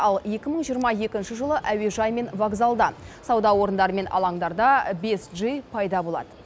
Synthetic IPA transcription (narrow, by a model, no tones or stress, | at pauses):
ɑlˠje̞kʲɪməɴʒijəɾmɑje̞kʲɪnʃɪʒəlˠəʔæwe̞ʒɑjme̞nvaɡzalˠd̪ɑsɑwd̪ɑwo̞ɾənd̪ɑɾəme̞nɑ̰lˠɑɴd̪ɑɾd̪ɑbe̞sʒəjpʰɑjd̪ɑbo̞lˠɑ̰d̪ə